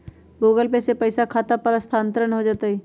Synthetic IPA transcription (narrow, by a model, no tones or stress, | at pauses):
ɡoːɡəlpesepɐɪsakʰaːt̪apɐɾɐst̪ʰãːnt̪əɾəɳɦod͡ʒaːt̪aɦiː